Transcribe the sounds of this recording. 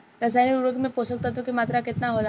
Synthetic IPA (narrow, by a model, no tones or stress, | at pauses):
ɾɐsaːniuɾəɡmẽpoːsək̚t̪ot̪̬okimaːt̪ɾakɪt̪naɦoːla